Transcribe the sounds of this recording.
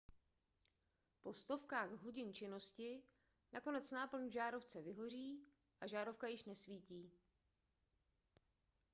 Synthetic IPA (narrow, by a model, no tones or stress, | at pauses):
po̞st̪o̞fkaːɣɦo̞ɟɪnt͡ʃɪno̞scɪ | nako̞nɛt͡snaːpl̩nuʒaːɾo̞ft͡sɛvɪɦo̞r̝iː | ʔaʒaːɾo̞fkajɪʃnɛsviːciː